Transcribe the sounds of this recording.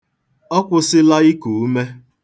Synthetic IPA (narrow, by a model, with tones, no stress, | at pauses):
ɔ˦kʷʊ˦sɪ˦la˦i˦ku˨u˦me˦